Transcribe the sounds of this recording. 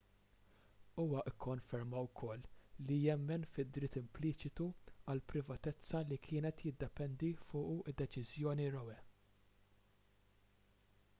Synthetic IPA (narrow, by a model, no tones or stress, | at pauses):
uːwɐʔɪkːɔnfɛɾmɐwkʰɔlːijɛmːɛnfɪd̪ɾɪt̪ːɪmplɪːt͡ʃɪt̪uɐlpɾɪvɐt̪ɛt͡sːɐlikʰɪːnɛt̪jɪd̪ːɛpɛnd̪ifʊːʔuɪd̪ːɛt͡ʃɪzjɔːniɾɔwɛ